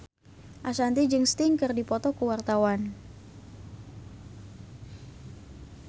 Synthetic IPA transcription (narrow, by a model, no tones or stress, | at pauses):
ʔasant̪id͡ʒɨŋst̪ɪŋkɨrdipɔt̪ɔkəwart̪awan